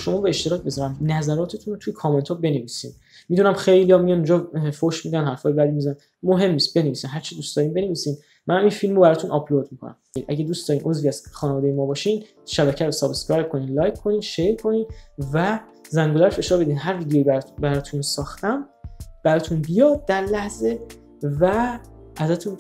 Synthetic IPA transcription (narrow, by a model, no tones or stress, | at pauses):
ʃo̞mɒːbeːʃt̪eɒːcbe̞zɒːɾæmnæzæɾɒːt̪ʰe̞t̪ʰunot̪ʰujekʰɒːme̞nt̪ʰɔbe̞neviːsḭːn | mid̪unæmxejlijɒmijɒnund͡ʒɒːfoʃmid̪ænɦæɾfɒːjebæd̪imizænæ | moɦe̞mːiːst̪̚be̞ne̞viːsænɦæɾt͡ʃʰid̪uːst̪ɒːɾiːmbe̞ne̞viːsiːn | mænæminfilmobæɾɒːt̪ʰunʔɒpʰlod̪mikʰonæ̰mʔæɟed̪uːsd̪̥ɒːɾiːnʔozviæz̥xɒːnevɒːd̪ejemɒːbɒːʃiːn | ʃæbæcʰæɾosɒːbeskɾɒɾkʰo̞niːnlɒːjkʰːo̞niːnʃeɾkʰo̞niːnvæ | zæŋɡolæɾfe̞ʃɒːɾbe̞d̪iːnɦæɾviːd̪ejoibæbæɾɒːt̪ʰunsɒːxt̪æmb̥æɾɒːt̪ʰunbijɒːd̪̚ːæɾlæhze̞ | væ | æzæt̪ʰun